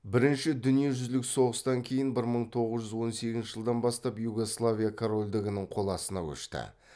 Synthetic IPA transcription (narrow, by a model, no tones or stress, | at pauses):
bɪɾɪnʃɪd̪ʏnije̞ʒʏzlɪkso̞ʁəst̪ɑŋkʲʰe̞jɪnbɪɾməɴt̪ʰo̞ʁəzʒʏzwo̞nse̞ɡʲɪzʃɪʒəlˠd̪ɑnbɑst̪ɑpjuɡo̞slˠavʲijakʰoɾo̞lʲd̪ɪɡʲɪnɪɴqʰo̞lˠɑsənɑkʲʰɵ̰ʃt̪ɪ̰